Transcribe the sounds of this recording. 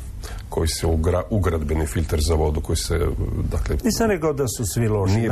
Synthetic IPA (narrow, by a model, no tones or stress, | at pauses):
kʰo̞jiseɡɾauɡɾad̪benifiʎʲt̪eɾzaʋo̞d̪ukojisḛd̪aklenisamnekaod̪asusʋiloʃi